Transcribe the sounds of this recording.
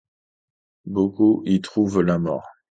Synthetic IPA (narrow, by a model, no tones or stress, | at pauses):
bokuʔit̪χuvlamɔ̰ʁ